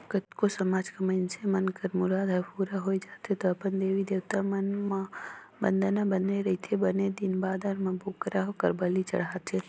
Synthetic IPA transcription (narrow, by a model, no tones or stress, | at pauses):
kət̪kosəmaːd͡ʒkamənsemənkəɾmʊɾaːd̪ɦɛpuɾaɦoid͡ʒaːt̪et̪oəpənd̪eːʋid̪eːwt̪amənma | bə̰nd̪nabəneɾəɦit̪ʰebəned̪inbaːd̪aɾməbʱokɾaɦokəɾbəlit͡ʃə̰ɽaːt̪e